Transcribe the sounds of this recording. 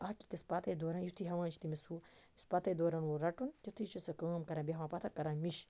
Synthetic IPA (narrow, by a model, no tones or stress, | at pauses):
aːki̥kɐspat̪ɐjd̪oːɾaːnjit̪ʰiɦɐʋãːt͡ʃʰt̪imisuispɐt̪ʰɐjd̪oːɾaːnwoɾɐʈunjɐt̪ʰit͡ʃʰɐsɐkɐːmkɐɾaːbʲeɦɐʋãːpɐt̪ʰakɐɾãːnmiʃ